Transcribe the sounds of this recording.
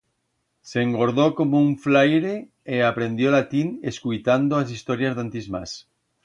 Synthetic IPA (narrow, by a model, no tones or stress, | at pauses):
seŋɡoɾðokomouɱflajɾe | eapɾend̪jolat̪ineskujt̪and̪oas̬ist̪oɾjazðant̪izmas